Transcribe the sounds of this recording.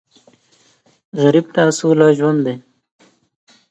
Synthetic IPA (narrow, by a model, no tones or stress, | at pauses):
ɣaɾib̚t̪aːsulɑʒwand̪d̪e